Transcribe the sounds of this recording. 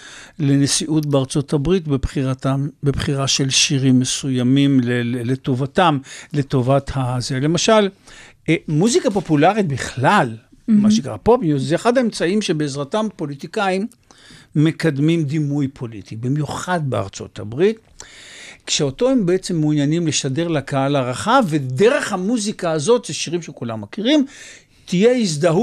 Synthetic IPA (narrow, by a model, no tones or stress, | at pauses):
le̞nesiʔutbeaʁt͡so̞tʰabʁit̪bebχiʁatambebχiʁaʃe̞lʃiʁimːesujamimleleto̞vatamleto̞vat̪hazele̞maʃal | emuzikapo̞pulaʁit̪biχlal | maʃekaʁapopnjuzzeeχad̪aemt͡saimʃebeezʁatampo̞lit̪ikaimː | e̞kad̪mimd̪imujpʰo̞lḭt̪ibimjuχad̪̚bea̰ʁt͡so̞̰t̪a̰bʁit̪ | kʃeoto̞hembeet͡se̞mːunjanimleʃade̞ʁlakaalaʁaχaved̪eʁe̞χhamuzikaːzo̞t̪zeʃiʁimʃekula̰mːakiʁim | t̪ijeizd̪aɦu